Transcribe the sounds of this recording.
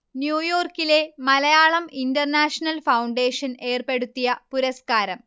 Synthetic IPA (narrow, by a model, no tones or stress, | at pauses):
njuːjo̞ːrkile̞mɐlɐjaːɭɐmindɐrnaːʂɐnɐlfɐwɳɖe̞ːʂɐne̞ːrpe̞ɽut̪ːijɐpuɾɐskaːɾɐm